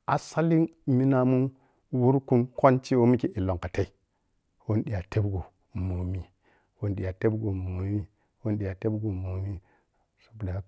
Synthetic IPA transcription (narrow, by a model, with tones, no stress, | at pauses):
a˨sa˦li˦ | mi˦na˨mu˦n | wu˦ɾku˦mko˦nt͡ʃi˦wo˦mi˦ki˨ʔi˨lo˨ŋka˨te˦i˨ | wo˦n˦ɗi˨ja˨te˦bɡo˨ | mo˨mi˦ | wo˦n˦ɗi˨ja˨te˦bɡo˨mo˨mi˦ | wo˦n˦ɗi˨a˨te˦bɡo˨mo˨mi˦ | so̥˦bu˨da˨a˦